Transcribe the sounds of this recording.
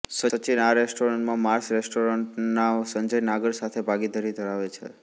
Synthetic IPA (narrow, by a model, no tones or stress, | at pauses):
səət͡ʃinaɾesʈoɾəɳʈmãmaɾsɾesʈoɾəɳʈnaosə̃ɲd͡ʒəjnaɡəɽsat̪ʰebʱaɡid̪ʱaɾid̪ʱəɾaʋet͡ʃʰḛ